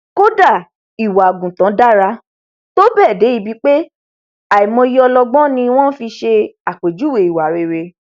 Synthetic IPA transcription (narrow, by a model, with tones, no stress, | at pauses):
ko˦da˦˨ | i˨wa˨ɡũ˨tã˨˦da˦˨ɾa˧˦ | to˦bɛː˦˨de˨˦i˧˦bi˧˦k͡pe˦ | a˨i˨mɔ̃˧i˦jɔ˧lɔ˧ɡ͡bɔ̃˦nĩ˧w̃ɔ̃˦fi˧ʃe˧a˨k͡pe˨d͡ʒu˨˦we˨i˨wa˨ɾe˨ɾe˧